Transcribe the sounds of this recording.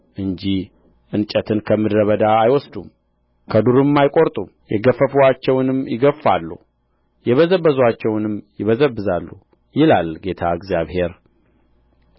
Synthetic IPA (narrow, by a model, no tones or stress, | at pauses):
ʔɨɲd͡ʒi | ʔɨnt͡ʃʼət̪ʰɨnkʰəmːɨd̪ɾəβəd̪aajwɔsd̪um | kʰəd̪uɾɨmːajkʼo̞ɾt̪ʼumjɛɡəfəfuat͡ʃːɛwnɨmjɪɡəfːalːṵ | jɛβəzəbəzat͡ʃːɛwnɨmjɪβəzəbːɨzalːu | jɪlalɡe̞t̪ʰa̰ɨɡzjaβhe̞ɾ